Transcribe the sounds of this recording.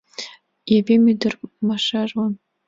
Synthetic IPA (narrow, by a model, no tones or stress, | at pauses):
jabemidɨrʼmaʂaʒwan